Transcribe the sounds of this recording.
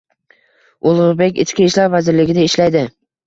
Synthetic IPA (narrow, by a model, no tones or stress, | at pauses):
olˠʁʊɾbe̞kʲɪskʲiʃlaɾvazɪɾlɪɡʲɪnɪɪʃlajd̪ɪ